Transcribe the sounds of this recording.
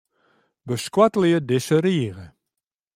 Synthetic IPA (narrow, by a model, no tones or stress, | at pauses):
bəskwatəljədɪsəɾiəɣə